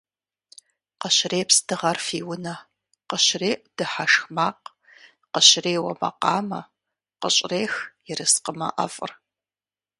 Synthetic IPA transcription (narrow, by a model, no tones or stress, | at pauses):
qəɕreːpsd̥ɨʁɐrfiːwʊnɐ | qəɕreːʔd̥ɨħaʂxmaːq | qəɕreːwɐ̰mɐ̰qɑːmɐ | qəɕʼreːxjɪrɨsqəmɐ̰ʔɐ̰fʼɨ̰r